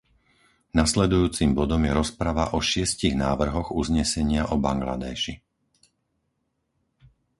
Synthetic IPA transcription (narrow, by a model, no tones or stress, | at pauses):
naslɛd̪ujuːt͡simbɔd̪ɔmjɛɾɔspɾaʋaʔɔʃɪɛsciɣnaːʋr̩ɦɔɣuzɲɛsɛɲɪaʔɔba̰ŋɡla̰d̪ɛːʃi